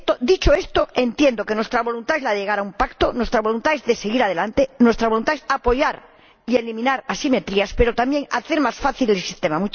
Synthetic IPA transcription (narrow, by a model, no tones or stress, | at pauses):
t̪od̪it͡ʃoe̞st̪oe̞nt̪jend̪oke̞nwest̪ɾaβolunt̪aezlaðeʝe̞ɣaɾaumpakt̪onwe̞st̪ɾaβo̞lunt̪aezðeseɣiɾað̞e̞lant̪enwe̞st̪ɾaβo̞lunt̪aesapo̞ʝaɾ | ie̞limĩnaɾasime̞t̪ɾiaspeɾot̪amje̞ŋa̰θe̞ɾmasfaθilelsist̪emamu